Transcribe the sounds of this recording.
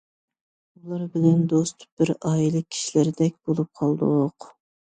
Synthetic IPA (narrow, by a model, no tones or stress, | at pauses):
ulˠɑɾbɪlɛnd̪ost̪̚ʰb̥ɪɾɑːjilˠɨkʲʰi̥ʃilɪɾd̪ɛk̚ʲb̥olˠup̚qʰɑlˠd̪oq